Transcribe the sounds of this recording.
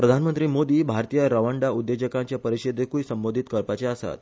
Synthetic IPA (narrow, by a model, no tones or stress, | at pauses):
pɾəd̪ʱanmənt̪ɾiːmod̪iːbʱaɾt̪ijəɾəʋəɳɖaud̪ːed͡ʑəkãɲt͡ɕjapəɾiɕid̪ʱekuisəmbod̪ʱit̪kəɾpat͡ɕeasa̰t̪̚